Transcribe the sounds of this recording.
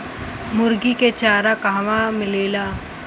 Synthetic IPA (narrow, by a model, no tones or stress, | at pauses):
mʊɾɡiket͡ʃaːɾakaʋãmɪleːlaː